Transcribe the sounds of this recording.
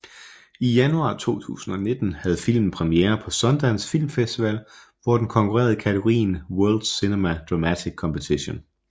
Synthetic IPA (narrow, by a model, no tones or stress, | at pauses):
ijænuɑ̈ːt͡sʰo̝̰ːt͡sʰṵːsn̩ɒ̽ne̝d̥n̩hæð̞̩ˠfil̰mn̩pʰʁɛmieːɐpʰɒ̽sɒ̽nd̥ænsfil̰mfesd̥iʋɛl | ʋɒd̥enkʰɒ̽ŋkʰuʁɛ̰ɐð̞ˠikʰæt͡sʰeɡ̥oʁḭːnwɜɐld̥sinemæd̥ʁɑmæt͡sʰiɡ̥̚kʰːɒ̽mpʰet͡sʰiɕo̝n